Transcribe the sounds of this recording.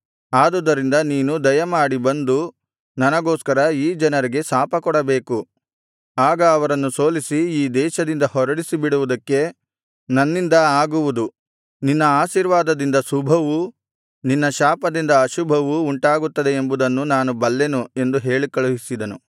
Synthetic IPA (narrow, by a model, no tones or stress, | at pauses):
aːd̪ud̪ɐɾind̪ɐniːnud̪ɐjɐmaːɽibɐnd̪u | nɐnɐɡoːskɐɾɐiːd͡ʒɐnɐɾiɡe̞saːpɐkɔɽɐbe̞ːku | aːɡɐːʋɐɾɐnːuso̞ːlisiiːd̪ɛːʃɐd̪ind̪ɐhɔɾɐɽisibiɽuʋud̪ɐkːe̞ | nɐnːind̪ɐaːɡuʋud̪u | ninːɐaːʃiːɾʋaːd̪ɐd̪ind̪ɐsubʱɐʋu | ninːɐʃaːpɐd̪ind̪ɐːʃubʱɐʋuːɳʈaːɡut̪ːɐd̪e̞ːmbud̪ɐnːunaːnubɐlːe̞nue̞nd̪uɦe̞ːɭikɐɭuɦisid̪ɐnu